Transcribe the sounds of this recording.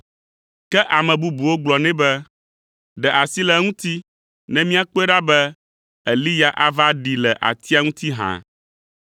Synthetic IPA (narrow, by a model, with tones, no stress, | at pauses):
kɛ˦ʔa˨mɛ̃˨bu˦bu˨wo˦ɡ͡blɔ˨nɛ̃˦bɛ˦ | ɖɛ˨ʔa˨si˦lɛ˨ŋũ˦t̪i˦ | nɛ̃˦mĩ˦a˦k͡po˦e˦ɖa˦bɛ˦ | ɛ˨li˦ja˦˨ʔa˦va˦ɖi˨lɛ˨ʔa̰˨t̪i˦a˦ŋũ˦t̪i˦ɦã̰˨